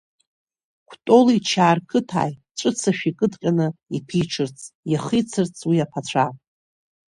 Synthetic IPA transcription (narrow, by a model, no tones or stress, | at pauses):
kʷʰtʼo̞lit͡ʃʰaːrkʰɨtʰa̰ːj | ʈ͡ʂʷʼɨt͡sʰaʃᶣikʼɨdqʲʼanɨipʰiʈ͡ʂʰɨrt͡sʰʼjaχit͡sʰɨrt͡sʰʼwiapʰat͡ʃʷʰa